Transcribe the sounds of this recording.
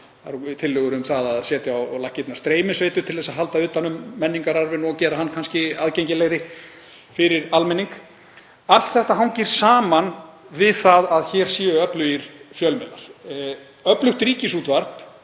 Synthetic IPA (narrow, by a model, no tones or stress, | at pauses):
θaɾt̪ʰɪlːʏːɣʏɾʏmθaðaðsɛːt̪ɪawlahcːɪt̪naɾ̥st̪ɾeːjmɪsveːjt̪ʏt̪ʰɪlðɛsaðɦalt̪aʏːt̪anʏmːɛnːiŋkaɾaɾvɪnɔɣcɛːɾaɦanːkʰanscɪaːðceɲcɪlejɾɪ | fɪɾɪɾalmɛnːiŋk | al̥t̪θɛht̪aɦawnciɾ̥saːman | vɪðθaðaðçɛɾ̥siːʏœplʏiɾ̥fjœlmɛna̰ɾ̥ | œplʏxt̪ɾiːcɪsuːt̪vaɾ̥p